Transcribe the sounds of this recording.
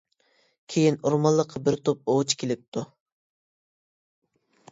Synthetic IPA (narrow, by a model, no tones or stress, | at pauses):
kʲʰejinuɾmɑlˠːəqʰːɑbɪɾt̪ʰop̚oʁt͡ʃʰkʲʰelɪp̚t̪ʰu